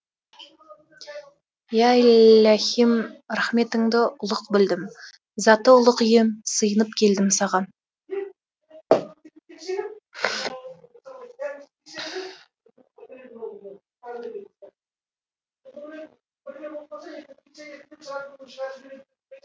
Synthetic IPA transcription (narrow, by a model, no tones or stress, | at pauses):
jaɪlɑhimɾaχme̞t̪ɪŋd̪ɪʔʊlˠəqbɪld̪ɪm | zɑt̪əʊlˠəqɪjɪmsəjənəpkʲʰe̞ld̪ɪmsɑʁɑn